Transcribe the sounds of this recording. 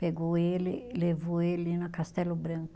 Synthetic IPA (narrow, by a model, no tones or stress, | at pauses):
peɡoelɪlevoelinɐkast̪ɛlʊbɾɐ̃kkʊ